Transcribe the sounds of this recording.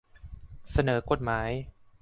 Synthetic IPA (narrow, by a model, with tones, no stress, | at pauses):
sa˧nɤː˩˦ko˨˩t̪̚maː˩˦j